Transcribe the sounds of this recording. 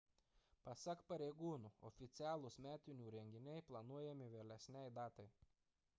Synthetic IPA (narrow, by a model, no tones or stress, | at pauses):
pɐsɐkpɐɾʲɛɪɡuːnuːɔ̰fʲɪt̪sʲɪæːlˠʊsmʲæːt̪ʲɪnʲuːɾʲɛŋʲɡʲɪnʲɛɪplˠɐnuɔjɛmʲɪʋʲelʲɛsʲnʲɛɪd̪ɑːt̪ɐɪ